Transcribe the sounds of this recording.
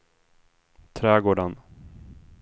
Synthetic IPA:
t̪ʰɾɛːɡoːɖən

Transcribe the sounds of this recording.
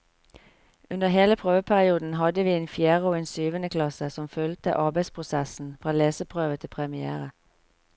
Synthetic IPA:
ʉnəɦeːləpʰʁøːʋəpʰæʁɪuːd̪n̩ɦɑd̪əʋiːeːnfjæːʁoːeːnsyːʋənəkʰlɑsəsɔmfœlt̪ə̰ʔɑːbæɪspʰʁʊsæsn̩fʁɑːleːsəpʰʁøːʋət̪ʰɪpʰʁɛmɪæ̰ːʁə

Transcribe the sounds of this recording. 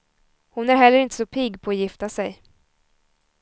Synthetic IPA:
hʊnæɾɦɛlːəɾɪnt̪ə̥sɔpʰɪɡpʰɔːjɪft̪asɛj

